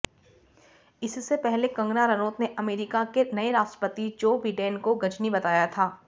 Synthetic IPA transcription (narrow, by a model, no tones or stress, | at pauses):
ɪssepɛɦlekɐ̃ŋɡnaɾɐnoːt̪neʔɐmeːɾɪkakenɐeɾaːstɾə̥pət̪id͡ʒoːbiːɖẽːnkoɡɐd͡ʒnibɐt̪aːjat̪ʰaː